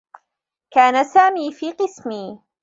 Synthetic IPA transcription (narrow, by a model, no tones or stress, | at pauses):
kaːnasaːmiːfiːqɨsmiː